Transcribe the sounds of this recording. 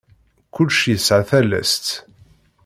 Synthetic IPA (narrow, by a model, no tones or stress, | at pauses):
kʊlʃjəsʕaθælæ̰st̪